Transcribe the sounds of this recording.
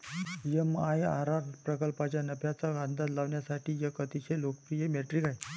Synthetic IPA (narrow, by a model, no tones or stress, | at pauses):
jemaja̰ɾaɾpɾəkəlpat͡ɕjanəpjat͡saɡãnd̪ʱat̪laʋɳjasaʈʰiːjəkət̪iɕelokəpɾijemeʈɾikaj